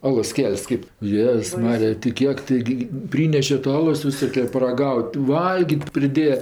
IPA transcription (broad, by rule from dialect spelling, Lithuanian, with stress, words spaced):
ˈɑːlˠoːs ˈkʲɛlʲsʲ kʲɪp ˈjeːs ˈmɑːrʲɪjɛ tʲɪ ˈkʲiɛk tɐɪˈɡʲɪ ˈpʲrʲiːnʲɛʃʲɛ tɐ ˈɑːlˠoːs ʋʲɪˈsoːkʲɛ pɐrɐˈɡɐʊtʲ ˈʋɐlʲɡʲiːtʲ pʲrʲɪˈdʲeːjɛ